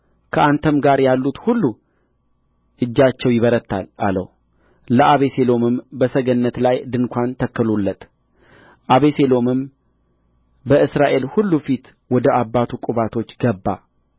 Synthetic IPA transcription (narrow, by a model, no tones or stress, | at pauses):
kʰəʔant̪ʰəmɡaɾjalːut̪hulːu | ʔɨd͡ʒːat͡ʃːɛwjɪβəɾət̪ʰːa̰la̰lə̰w | ləʔaβe̞se̞lo̞mɨmbəsəɡənːət̪lajd̪ɨnkʰʷant̪ʰəkːəlulːət̪ʼ | ʔaβe̞se̞lo̞mɨm | bəɨsɾaʔe̞lhulːufit̪ | wɔd̪əʔabːat̪ʰukʼuβat̪ʰo̞t͡ʃːɡəbːa̰